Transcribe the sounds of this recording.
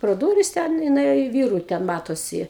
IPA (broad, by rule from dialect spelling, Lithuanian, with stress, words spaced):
proː ˈduːrʲɪs tʲɛn ɪ nʊˈeːjoː ɪ ˈʋʲiːrʊ tʲɛn ˈmɑːtoːsʲɪ